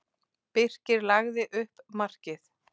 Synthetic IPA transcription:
pɪr̥cɪɾlaɣðɪʔʏhpmar̥cɪθ

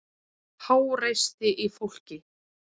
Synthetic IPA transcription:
haːwrejst̪ɪʔifowl̥cɪ

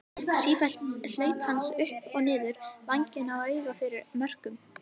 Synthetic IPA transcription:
siːfɛlt̪l̥œːɥphansʏhpɔɣnɪːðʏɾvaɲcɪnawœːɥɣafɪɾɪɾmœr̥kʏm

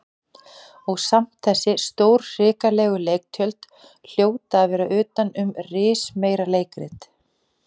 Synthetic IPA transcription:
ɔɣsam̥t̪θɛsːɪst̪oːwɾrɪːkalɛːɣʏlejk̚t̪ʰjœlt̪ | l̥joːwt̪aːðvɛːɾaʔʏːt̪anʏmrɪːsmeːjɾaleːjkɾɪ̰t̪

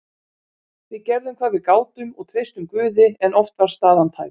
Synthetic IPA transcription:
θvɪðcɛɾðʏmkʰvaːðvɪðkaːwt̪ʏmɔɣt̪ʰɾejst̪ʏmkvʏːðɪɛnʔɔft̪vaɾ̥st̪aːðant̪ʰa̰j

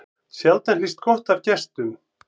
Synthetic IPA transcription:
sjalt̪ɛnlist̪̚kɔht̪avcɛst̪ʏm

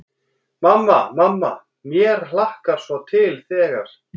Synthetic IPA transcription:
mamːamamːa̰ | mjɛɾ̥l̥ahkaɾ̥svɔt̪ʰɪlθɛːɣa̰ɾ̥

